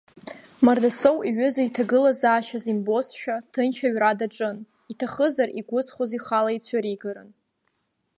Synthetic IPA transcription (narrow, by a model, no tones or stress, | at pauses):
mardasowiɥʊzaitʰaɡɨlazaːʃazimbo̞sʃᶣatʰɨnt͡ʃʰaɥradaʈ͡ʂʼɨn | itʰaχəzariɡʷʊt͡sʼχʷoziχalait͡ɕʷʰaɾiɡaɾɨ̰n